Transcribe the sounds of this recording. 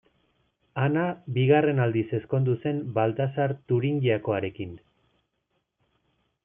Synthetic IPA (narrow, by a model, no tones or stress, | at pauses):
anabiɣare̞nald̪ise̞sko̞nd̪use̞mbalt̪asaɾt̪uɾiŋɡiako̞aɾe̞kin